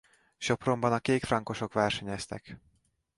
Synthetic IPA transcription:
ʃo̞pro̞mbɒnɒkeːkfrɒŋko̞ʃo̞kʋɛrʃɛɲɛst̪ɛ̰k

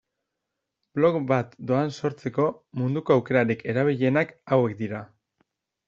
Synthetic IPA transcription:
b̥lo̞kbat̪d̪o̞anso̞ɾt͡se̞ko̞mund̪uko̞awke̞ɾaɾike̞ɾaβ̞iʎe̞nakawe̞k̚d̪iɾa

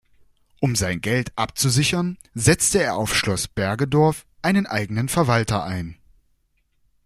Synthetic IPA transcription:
ʔʊmzaɪnɡɛltʔap̚t͡suzɪçɐnzɛt͡stəeːɐaʊfʃlɔsb̥ɛɐɡədɔɐfʔaɪnənʔaɪɡənənfɛɐvaltɐʔaɪn

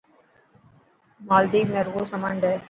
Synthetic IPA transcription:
maːld̪iːmɛɾʋosɐmaɳɖe

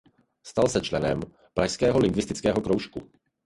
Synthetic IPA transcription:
st̪alsɛt͡ʃlɛnɛ̰m | pɾaçskɛːɦɔlɪŋɡʋɪst̪ɪt͡skɛːɦɔkɾowʃku

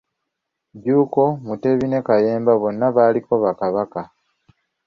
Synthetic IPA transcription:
ɟuːko̞mute̞βine̞kaje̞ːmbaβo̞nːaβaːliko̞βakaβaka

